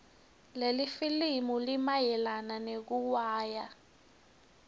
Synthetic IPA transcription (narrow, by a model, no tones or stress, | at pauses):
lelifilimulimajɛlananek̬uwaːja